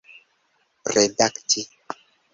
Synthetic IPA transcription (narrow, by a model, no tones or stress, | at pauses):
ɾedaktʰi